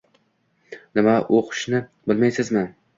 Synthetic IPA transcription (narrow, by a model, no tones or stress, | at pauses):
nɪmaʔoqʰɨ̥ʃnɪbɪlmajsɪzmɪ